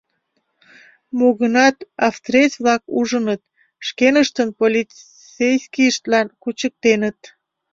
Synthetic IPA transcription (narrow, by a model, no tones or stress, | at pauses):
moɣənɑt̪ɑft̪resβlɑkuʒənət̪̚ | ʃkenəʃt̪ənpolʲi | t͡sejskiəʃt̪lɑnkut͡ɕək̚t̪enət̪̚